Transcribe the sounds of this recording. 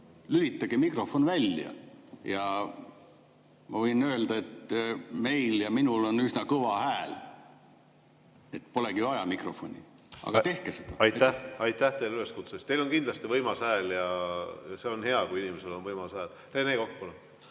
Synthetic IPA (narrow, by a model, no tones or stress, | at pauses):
lylit̪ːˑɑɡ̥emikro̞fo̞nvælʲjɑ̰jɑ | mɑvɤjnø̞eld̪̥ɑe̞t̪ːme̞jljɑminulo̞nysnɑkɤvɑhæːl | e̞t̪ːpo̞leɡ̥iɑjɑmikro̞̰fo̞̰nʲḭ | ɑ̰ɡ̥ɑt̪e̞hkesed̪̥ɑ̰ɑjæɑjt̪ːæht̪ejlyle̞skut̪sest̪ejlo̞nkind̪lɑst̪ivɤjmɑsæːljɑjɑseonhe̞ɑkuinimese̞lo̞nvɤjmɑsæːl | reneːkok̚ːpole